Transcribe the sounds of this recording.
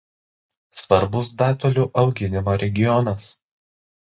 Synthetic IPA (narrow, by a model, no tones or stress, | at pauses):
sʋɐɾbʊs̬d̪ɑːt̪ɔlʲuːʔɐʊɡʲɪnʲɪmoːɾʲɛɡʲɪjɔnɐs